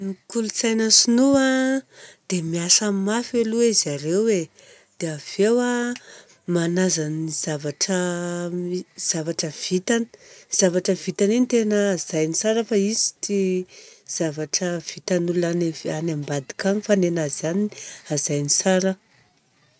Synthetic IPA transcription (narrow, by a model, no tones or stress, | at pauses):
nikulut͡sajnəsinua | d̪̥emiasamafelueizaɾewe | d̪̥eav̥ewa | manazaniz̥avaʈ͡ʂə | z̥avaʈ͡ʂəv̥it̪ani̥z̥avaʈ͡ʂəv̥it̪anent̪enəːzajnisaɾəfaizi̥ti | z̥avaʈ͡ʂəv̥it̪anulunaneanambad̪i̥kaŋifanenazaniazajnisaɾə